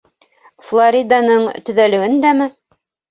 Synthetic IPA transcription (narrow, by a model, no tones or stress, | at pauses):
flˠoɾʲid̪ɑnɤɴt̪ɵ̆ðælɵ̆ɡɘnd̪æmɘ